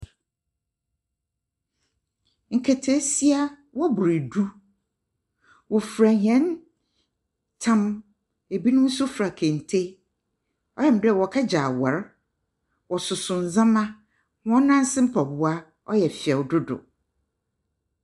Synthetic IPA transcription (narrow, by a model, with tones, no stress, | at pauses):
ŋ̩˨kʰɛ˨tʰe˦si˦a˦ | wɔ˦bʊ˨ɾe˨du˦ | wɔ˨fɾa˨ɲɛ̃˨˦n | tʰã˦m | e˨bi˦nʊ̃˦n̩˦sʊ˦fɾa˨kʰẽ˨n̩˨tʰe˦ | ɔ˦jɛ˨m̩˨dɛ˦˨wɔ˨kʰa˦d͡ʑaː˨wa˨ɾ | wɔ˨sʊ˨sʊ̃˨n̩˨zã˦mã˦ | hɔ̃˦nã˦n˦sɪ̃˦m̩˦pʰa˨bʊ˦a˦ | ɔ˦jɛ˨fɪ˨ɛ˨wdʊ˦dʊ̰˨